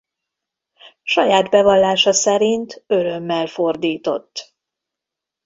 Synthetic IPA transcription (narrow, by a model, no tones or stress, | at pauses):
ʃɒjaːd̪bɛvɒlːaːʃɒsɛɾint̪ø̞ɾø̞mːɛlfo̞rd̪iːt̪o̞̰t̪ː